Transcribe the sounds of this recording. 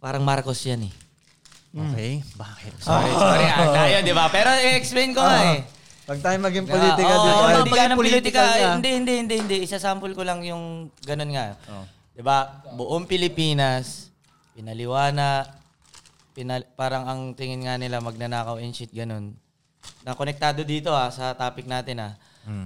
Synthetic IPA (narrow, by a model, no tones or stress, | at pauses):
paːɾɐŋmaɾkosjanɛ | ʔokɛjbaːkɪt̪̚sokoɾɪŋaajod̪ɪbapɛːɾoʔɪɛksplejnkoa | pɐɡ̚t̪aːjomɐɡiŋpolit̪ɪkkɐioɐɡanɐplit̪kaɪnd̪ɛhɪnd̪ɛʔhɪnd̪ɛhɪnd̪ɛʔɪsasampolkolɐŋjʊŋɡɐno̞nŋaʔo | d̪̥ɪbabʊʔoŋpɪlɪpiːnɐs | pɪnɐlɪwaːnɐ | pɪnɐpaːɾɐŋɐŋt̪ɪŋɪnŋanɪlamɐɡ̚nɐnaːkɐwɛnt͡ʃɪt̪̚ɡɐno̞n | nɐkonɛk̚t̪aːd̪o̞d̪iːt̪o̞hasɐt̪aːpɪk̚naːt̪ɪna